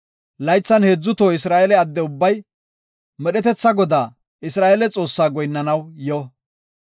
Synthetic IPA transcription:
lɐjt͡sːɐnheːd͡zːʊt̪oːɪsɾaːelɛɐd̪ːɛʊbːɐj | mɛɗɛt̪ɛt͡sːɐɡɔd̪aː | ʔɪsɾaːelɛt͡sʼo̞ːsːaːɡɔjnːɐnɐwjɔ

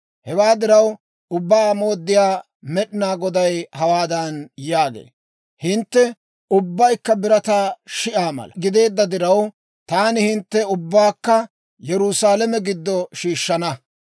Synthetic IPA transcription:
hɛwaːd̪ɪɾɐw | ʊbːaːmo̞ːd̪ːɪjaː | mɛɗɪnaːɡɔd̪ɐjhɐwaːd̪ɐnjaːɡḛː | hɪnt̪ːɛ | ʊbːɐjkːɐbɪɾɐt̪aːʃɪʔaːmɐ̰lɐ̰ɡɪd̪e̞ːd̪ːɐd̪ɪɾɐw | t̪aːnɪhɪnt̪ːɛʊbːaːkːɐ | jɛɾʊsaːlɛmɛɡɪd̪ːɔʃiːʃːɐnɐ

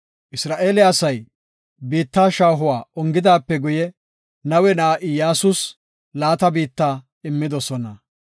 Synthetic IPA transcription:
ʔɪsɾaːʔeːlɪjasɐj | biːt̪ːaːʃaːɦʊwaːʔɔŋɡɪd̪aːpːɛɡʊjɛ | nɐwɛnaːʔɪjaːsʊs | laːt̪ɐbiːt̪ːaː | ɪmːɪd̪ɔsɔnɐ

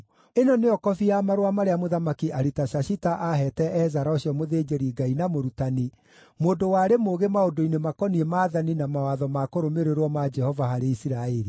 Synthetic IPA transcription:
enɔneɔkɔfiamaɾwamaɾeamoðamakiʔaɾitaʃaʃitaʔaɦɛtɛʔɛzaɾaoɕjɔmoðeːd͡ʒeɾiɡainamoɾutani | moːdowaːɾemoɣemaodoinemakɔniemaːðaninamawaðɔmakoɾomeɾeɾwɔmad͡ʒɛhɔvaɦaɾeisiɾaeɾi

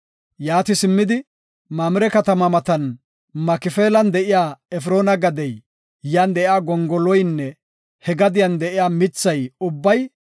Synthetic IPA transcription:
jaːt̪ɪsɪmːɪd̪ɪ | mamɪɾɛkɐt̪ɐmɐmɐt̪ɐn | mɐkɪfeːlɐnd̪ɛʔɪjaːɛf̬ɾo̞ːnɐɡɐd̪ɛj | jand̪ɛʔɪjaːɡɔŋɡɔlɔjnːɛ | hɛɡɐd̪ɪjɐnd̪ɛʔɪjaːmɪt͡sːɐjʊbːɐj

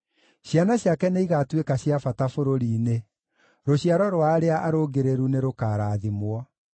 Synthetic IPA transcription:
ɕjanaɕjakɛneiɣaːtwekaɕiafatafoɾoɾiːne | ɾoɕiaɾɔɾoaɾeaʔaɾoɡeɾeɾuneɾokaːɾaːðimwɔ

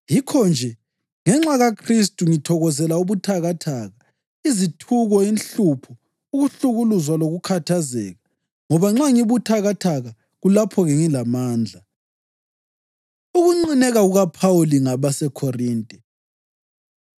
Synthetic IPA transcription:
jikʰɔnd͡ʒʱɛ | ŋɛŋ͡ǁaɣakʰris̬tʼuŋitʰɔɣɔzɛlauβutʰaɣatʰaːɣa | izitʰuɣɔinɬupʰɔ | uɣuɬuɣuluzwaloɣukʰatʰazɛ̰ːɣa | ŋɔβaŋ͡ǁaŋiβutʰaɣatʰaɣa | ɣulapʰɔɣɛŋilamaːnd͡ɮʱa | uɣuŋ͡ǀinɛɣaɣuɣapʰawuliŋaβasɛkʰɔriːntʼɛ

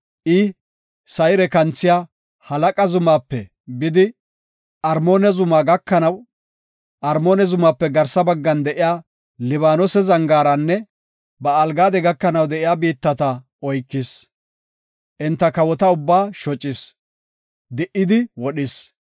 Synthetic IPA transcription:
ʔɪ | sɐjɾɛkɐnt͡sːɪjaː | hɐlɐkʼɐzʊmaːpːɛ | bɪd̪ɪ | ɐɾmo̞ːnɛzʊmaːɡɐkːɐnɐw | ʔɐɾmo̞ːnɛzʊmaːpːɛɡɐɾsɐbɐɡːɐnd̪ɛʔɪjaː | lɪβaːnɔsɛzɐŋɡaːɾɐnːɛ | bɐːlɡaːd̪ɛɡɐkːɐnɐwd̪ɛʔɪjaːbiːt̪ːɐt̪ɐ | ɔjkːɪs | ʔɪnt̪ːɐkɐwɔt̪ɐʊbːaːʃɔt͡ʃʼːɪs | d̪ɪʔːɪd̪ɪwɔɗɪs

